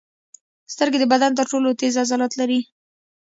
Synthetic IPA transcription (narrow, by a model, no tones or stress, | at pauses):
st̪əɾɡed̪əbad̪ant̪̬əɾʈolot̪ezazɑlat̪laɾi